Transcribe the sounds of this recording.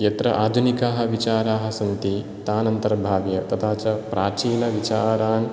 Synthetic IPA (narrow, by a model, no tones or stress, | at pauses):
jɐt̪ɾɐʔaːd̪ʱunikaːɦɐ̆ʋit͡ʃaːɾaːɦɐ̆sɐmt̪i | t̪aːnɐnt̪ɐɾɐbʱaːʋjɐt̪ɐt̪ʰaːt͡ʃɐpɾaːt͡ʃiːlɐʋit͡ʃaːɾaːn